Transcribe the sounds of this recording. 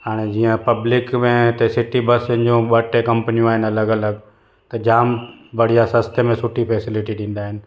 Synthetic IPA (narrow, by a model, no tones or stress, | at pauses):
ɦaːɽ̃ed͡ʑiːə̃pɐblɪkmẽt̪esɪʈibəsɪ̃nd͡ʑũɓəʈekɐmpənijũaːɦɪnɐləɡɐləɡ | t̪ɐd͡ʑaːmbɐɽ̤ijasəst̪emẽsʊʈʰipʰeɛːsɪlɪʈiɗĩːn̆d̪aːɦɪnɪ̆